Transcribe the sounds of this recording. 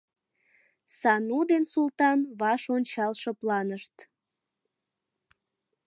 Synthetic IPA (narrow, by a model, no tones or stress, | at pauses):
sɑnud̪ensult̪ɑnβɑʃonʲt͡ɕɑlʃɤplɑnəʃt̪